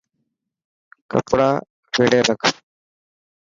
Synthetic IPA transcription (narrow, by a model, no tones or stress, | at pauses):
kə̰pɽaː | ʋeːɽeːɾəkʰ